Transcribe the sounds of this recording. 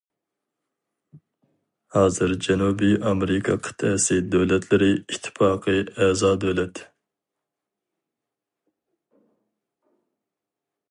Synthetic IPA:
hɑːzɨɾd͡ʒɛnubiʔɑmeɾɪkʰɑqʰɨ̥t̪ʰɛsɨd̪øwlɛt̪ʰlɪɾɪit̪ʰːɪ̥fɑːqʰɨɛzɑːd̪øwlɛt̪ʰ

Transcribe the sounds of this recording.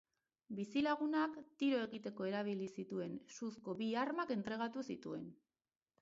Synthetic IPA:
bisilaɣ̞unakt̪iɾo̞e̞ɣit̪e̞ko̞e̞ɾaβ̞ilisit̪ue̞nsusko̞βiaɾmake̞nt̪ɾe̞ɣ̞at̪usit̪ue̞̰n

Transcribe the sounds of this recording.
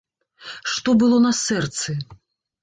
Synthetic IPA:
ʂt̪ɔbɨlˠɔnɐsɛrt̪sɨ

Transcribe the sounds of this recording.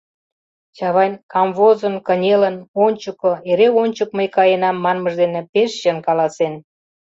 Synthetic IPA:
t͡ɕɑβɑjnkɑmvozənkənʲelənonʲt͡ɕukoeɾeonʲt͡ɕək̚məjkɑjenɑmːɑnməʒd̪enepeʃjənkɑlɑsen

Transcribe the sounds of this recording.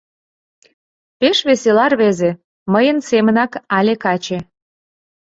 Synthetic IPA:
peʃβeselɑrβeze | məjənsemənɑkɑlʲekɑt͡ɕe

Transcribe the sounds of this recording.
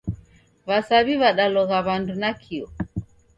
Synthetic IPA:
βasaβiβaɗalɔɣaβandunakʰiɔ

